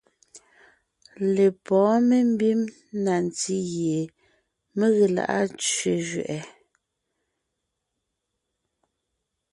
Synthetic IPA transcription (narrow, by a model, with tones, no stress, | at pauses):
le˨pɔ̃ː˨˦me˦m̩˦bi˦m | na˨n˨ti˦ɣje˨ | me˦ɣe˨la̰˨ʔa̰˦t͡ʃɥe˨ʒɥɛ̰˨ʔɛ˨